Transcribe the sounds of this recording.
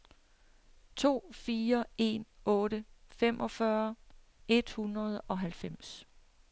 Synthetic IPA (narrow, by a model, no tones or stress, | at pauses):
t͡sʰo̝̰ːfiːɐe̝̰nɔ̽ːɾ̥əfemʔɒ̽fɶɐ | e̝d̥hunʁɐð̞ˠɒ̽ɦælfem̰s